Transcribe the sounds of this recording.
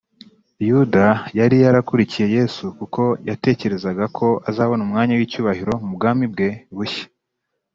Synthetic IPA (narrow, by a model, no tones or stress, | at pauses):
judajaɾijaɾakuɾicije̞je̞ːsukukʰo̞jate̞ːce̞ɾe̞zaɡakʰo̞azaːβo̞numŋaːɲawiːcuːβahiɾo̞mubɡaːmib̚ɡe̞βuçe̥